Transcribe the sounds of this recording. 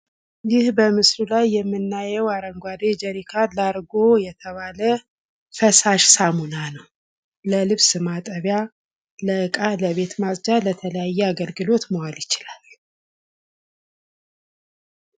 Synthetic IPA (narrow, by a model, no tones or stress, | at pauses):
jɪhbəmɨslulajːɛmːɨnːajɛwaɾəŋɡʷwad̪ed͡ʒəɾikʰalaɾɡo̞jɛt̪ʰəβalə | fəsaʃsamunanəw | ləlɨβsɨmat̪ʼəβja | ləɨkʼaləβe̞t̪masd͡ʒalət̪ʰələjajːɛaɡəlɡɨlo̞t̪mowaljɪt͡ʃɪlal